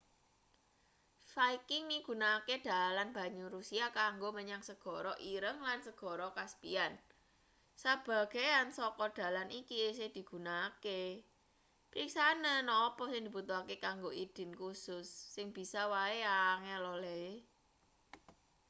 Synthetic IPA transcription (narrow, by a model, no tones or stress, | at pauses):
faikɪŋniɡ̥ṳnaked̪̥a̤lanb̥ä̤ɲuɾusiakaŋɡoməɲaŋsəɡ̥ɔ̤ɾɔʔiɾəŋlansəɡ̥ɔ̤ɾɔkaspḭan | sab̥a̤ɡ̥eansɔkɔd̪̥ä̤lanikisɪhd̪̥i̤ɡ̥ṳnake | pɾiksanənɔpɔsɪŋd̪i̤but̪uɦakekaŋɡoʔid̪̥ɪ̤nkusʊsːɪŋb̥i̤sawaeaŋelɔlɛ